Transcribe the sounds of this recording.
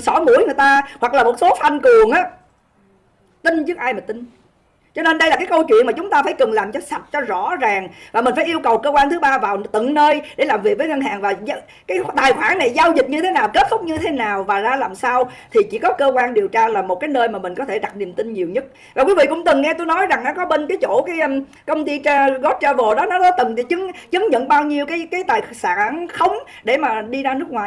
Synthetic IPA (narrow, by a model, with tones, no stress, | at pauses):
sɔ˧˥˦mṵ˧˩əjŋɨ˨˩jt̪aː˧hwa˨˩k̚laː˨˩mo˨˩t̚so˨˦fa˧nkɨ˨˩əŋʔaː˨˦ | t̪ï˧ŋt͡ɕɨ˦˥ək̚ʔaː˧jmaː˨˩t̪ï˧ŋ̟ | t͡ɕɔ˧ne˧nɗə˧jlaː˨˩kaː˨˦kə˧wt͡ɕwḭ˧˨nmaː˨˩t͡ɕʊ˨˦ŋ͡mt̪aː˧faː˧˩jkɨ˨˩ŋlaː˨˩mt͡ɕɔ˧sa˨˩t̚t͡ɕɔ˧zɔ̰˧˥zaː˨˩ŋvaː˨˩mï˨˩ŋ̟faː˧˦jʔi˧əwkə˨˩wkəː˧kwaː˧nt̪ʰɨ˨˦ɓaː˧vaː˨˩wt̪ɨ̰˧˨ŋnəː˧jɗe˧˩laː˨˩mvi˨˩ək̚vəː˨˦jŋə˧nhaː˨˩ŋvaː˨˩˧ | kaː˨˦jt̪aː˨˩jxwaː˧˩˦ŋna˨˩jzaː˧wzi˨˩t̚ɲɨ˧t̪ʰe˨˦naː˨˩wke˦˥t̚sʊ˦˥k͡p̚ɲɨ˧t̪ʰe˨˦naː˨˩wvaː˨˩zaː˧laː˨˩msaː˧wt̪ʰi˨˩t͡ɕi˧˥kɔ˨˦kəː˧kwaː˧nɗi˨˩əwt͡ɕaː˧laː˨˩mo˨˩kaː˨˦jnəː˧jmaː˨˩mï˨˩ŋ̟kɔ˨˦t̪ʰe˧˩ɗa˨˩t̚ni˨˩əmt̪ï˧ŋɲi˨˩əwɲə˦˥t̚ | vaː˨˩kwi˨˦vḭ˧˨kʊ̰˧˥ŋ͡mt̪ɨ˨˩ŋːɛ˧t̪o˧jnɔ˨˦jza˨˩ŋnɔ˨˦kɔ˨˦ɓe˧nkaː˨˦jt͡ɕo˧˩kaː˨˦jʔm | kə˧wŋ͡mt̪i˧t͡ɕːɣɔ˦˥t̚t͡ɕaː˧vo˨˩ɗɔ˨˦nɔ˨˦ɗɔ˨˦t̪ɨ˨˩ŋ˨t͡ɕɨ˨˦ŋt͡ɕə˨˦ŋɲə̰˧˨nɓaː˧wɲi˧əwkaː˨˦jkaː˨˦jt̪aː˨˩jsaː˧˥nxə˨˦wŋ͡mɗe˧˩maː˨˩ɗi˧zaː˧nɨ˦˥ək̚waː˨˩